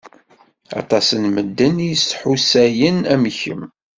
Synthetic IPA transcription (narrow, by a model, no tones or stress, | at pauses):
ɑ̰t̪ˤɑsənməd̪ːənjəsħusæjənæmçə̰m